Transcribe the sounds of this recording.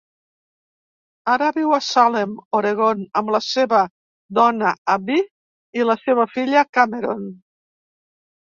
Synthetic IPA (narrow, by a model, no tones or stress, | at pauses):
aɾəβiwasalemoɾeɣonəmləseβə | d̪ɔnəabi | iləseβəfiʎəkameɾon